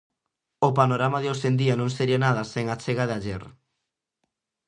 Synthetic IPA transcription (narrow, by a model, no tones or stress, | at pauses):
opanoɾamaðeosend̪ianõŋseɾianaðaseŋat͡ʃeɣaðeaʎeɾ